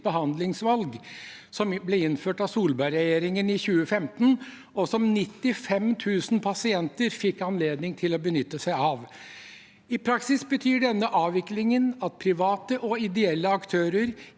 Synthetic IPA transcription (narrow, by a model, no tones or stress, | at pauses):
bəɦɑnd̪lɪŋsʋɑlɡ | sɔmblɛɪnːføːʈɑʋsuːlbɑɾɛjeːɾɪŋənɪçʉːəfɛmt̪n | ɔsɔmnɪt̪ːɪfɛmt̪ʰʉːsn̩pʰɑsɪɛnt̪əɾfɪkːɑnleːd̪nɪŋt̪ʰɪlɔbənʏt̪ːəsæɪɑːʋ | ɪpʰɾɑksɪsbət̪ʰyːɖɛnːəʔɑːʋɪklɪŋənɑt̪̚pʰɾɪʋɑːt̪əʔɔɪd̪ɛɛlːəɑkt̪ʰøːɾəɾ